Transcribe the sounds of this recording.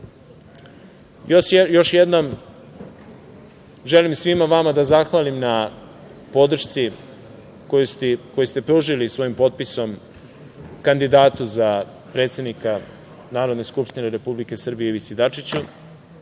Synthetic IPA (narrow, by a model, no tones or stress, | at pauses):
jojo̞ʃjed̪nom | ʒe̞limsʋimaʋamad̪azaxʋalimna | po̞d̪r̩ʃt̪si | kojusiko̞jest̪e̞pɾuʒilisʋo̞jimpo̞t̪̚piso̞m | kand̪id̪aːt̪uza | pɾe̞t̪sʲe̞d̪nika | naːɾo̞d̪neskupʂt̪ineɾe̞publike̞sr̩bijeiʋit̪sid̪at͡ʂit͡ɕu